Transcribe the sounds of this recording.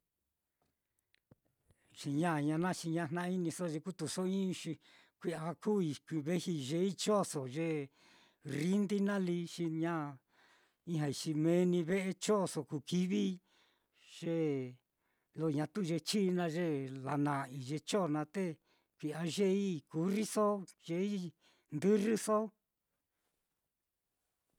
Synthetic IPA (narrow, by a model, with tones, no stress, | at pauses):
t͡ʃi˧ɲã˦˨ɲã˧nã˦t͡ʃi˧ɲã˧nã˦˧i˦nĩ˧so˦˧ʒe˧ku˦t̪u˨so˦ĩ˦˧ʃi˧ | kʷi˧a˧ku˦˨i˧ki˧βe˦hi˧ʒe˧˦i˦t͡ʃo˦˨so˨ʒe˧ | ri˦nd̪i˦nã˦li˧ʂi˧ɲã˦ | ĩ˦ɦã˧˨i˧t͡ʃi˧mẽ˧˦nĩ˧βe˦ʔe˧t͡ʃo˦˨so˧˨ku˧ki˧˦βi˦ | ʒ̥e˦ | lo˧ɲã˧t̪u˦˧ʒe˧t͡ʃiː˦˧nã˧ʒe˦la̰˧nã˨i˨ʒe˧t͡ʃo˦˨nã˧t̪e˦ | kʷi˧a˧ʒe˦i˦ku˨˦ri˦so˦ʒ̥e˧i˦ | nd̪ɨ˦ri˦so˦